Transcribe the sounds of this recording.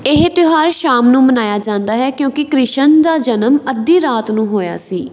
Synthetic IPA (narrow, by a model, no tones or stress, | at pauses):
ɪɦt̪ɪɦaːɾʃaːmnũːmənaːjaːd͡ʒãːnd̪aːɦɛːkjõːkɪkɾɪʃənd̪aːd͡ʒənəməd̪ːĩːɾaːt̪nũːɦoːja̰ːsiː